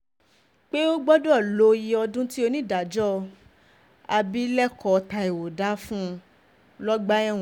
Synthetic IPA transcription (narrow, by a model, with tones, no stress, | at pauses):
k͡pe˦o˦ɡ͡bɔ˦do˦ɔ˦˨lo˧˦ji˧ɔ˧dũ˦ti˦o˧nĩ˦˨da˨d͡ʒɔ˦ | a˧bi˦lɛ˦kɔ˧˦˧ta˧e˨wo˨da˨˦fũ˦˧ | lɔ˦ɡ͡ba˦ɛ̃˦˨